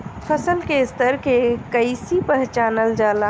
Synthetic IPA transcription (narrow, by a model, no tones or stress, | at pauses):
pʰəsəlkest̪əɾkekəɪsipəɦt͡ʃaːnəld͡ʒaːla